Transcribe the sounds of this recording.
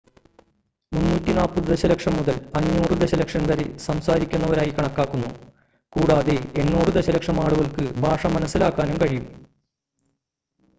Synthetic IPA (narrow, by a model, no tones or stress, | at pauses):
munːuːtːinaːpːuðd̪eɕɐlɐkʂɐmːuðɐlpɐɲːoːrɨd̪eɕɐlɐkʂɐnkɐɾisɐmsaːɾikʲːunːɐʋɐɾaːjikɐɳɐkːaːkːunːu | kuːɽaːðeenːoːrɨd̪eɕɐlɐkʂɐmaːɽuɣɐɭkɨbʱaːʂɐmːɐnɐsːilaːkːaːnumkɐɻijum